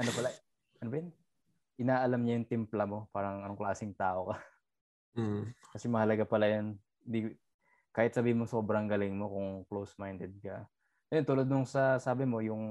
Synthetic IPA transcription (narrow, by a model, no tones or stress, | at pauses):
ʔɐnopɐla | ʔɐnobɐjɛn | ʔɪnaːʔɐlamɲajʊŋt̪ɪmplɐmo̞paːɾɐŋʔɐnoŋklaːsɪŋt̪aːʔo̞kɐ | kɐsɛmɐhɐlɐɡapɐlajon | d̪i | kaːhɪt̪sɐbiːɪnmoso̞ːbɾɐŋɡɐlɪŋmo̞kʊŋklowsmajnd̪ɛd̪̚kɐ | ʔɐjont̪uːlɐd̪nʊŋsɐsaːbɪmo̞jʊŋ